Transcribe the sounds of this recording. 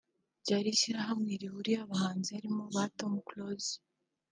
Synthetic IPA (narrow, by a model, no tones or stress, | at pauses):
ɟaɾiʃiɾaɦamwiːɾihuɾiaβahaːnziaɾimoβatomuklozi̥